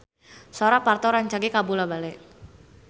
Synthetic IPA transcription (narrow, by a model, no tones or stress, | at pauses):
sɔɾapart̪ɔɾaɲt͡ʃaɡekabulabalɛʔ